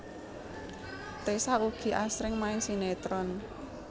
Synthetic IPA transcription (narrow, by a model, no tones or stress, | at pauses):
t̪esauɡ̥i̤ʔasɾɪŋmaɪŋsinet̪ɾɔn